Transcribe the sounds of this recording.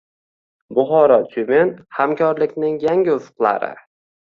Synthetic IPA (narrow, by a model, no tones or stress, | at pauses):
bʊχɒɾɒt̪ʰumenhamkʰɒɾlɪkʲnɪŋjaŋʲɪʊfʊ̥qlˠa̰ɾɪ̰